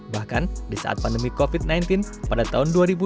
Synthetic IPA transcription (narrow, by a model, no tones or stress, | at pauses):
bahkandisa̰ʔa̰t̪̚pandəmikofit̪̚najnt̪inpadat̪aʊnduaɾibu